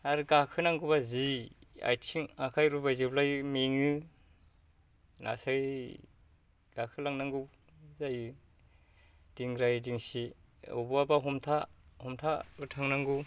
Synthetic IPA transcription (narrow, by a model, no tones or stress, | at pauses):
aɾɡakʰɯnaŋɡɯbazia̰jtʰiŋakʰajɾubajzɯblajɯmeŋɯ | na̰saj | ɡ̥akʰɯlaŋnaŋɡɯw | zajɯ | d̥iŋɡɾajdiŋsi | ɔ̰buabaɦɔmtʰahɔmtʰaɯtʰaŋnaŋɡɯ